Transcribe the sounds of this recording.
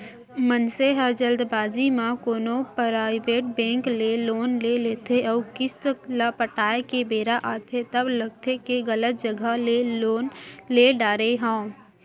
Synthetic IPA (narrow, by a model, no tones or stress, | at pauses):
mənseɦəɾd͡ʒəld̪bad͡ʒimãkonopɾaɪbeʈ̚bɛ̃ŋklelonlelet̪ʰeɔukist̪əklapəʈaekebeɾaʔat̪ʰet̪əbləɡ̚t̪ʰekeɡələt̪̚d͡ʒəɡʱəleonleɖaɾeɦə̃